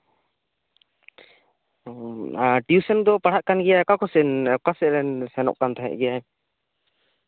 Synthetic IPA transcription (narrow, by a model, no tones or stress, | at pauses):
ʈijusɛnd̪ɔpaɽ̤aʔkanɡɛjakakʰɔsɛnkasɛɾɛnsɛnɔ̰ʔkant̪ʰaɦɛ̰ʔɡɛjaj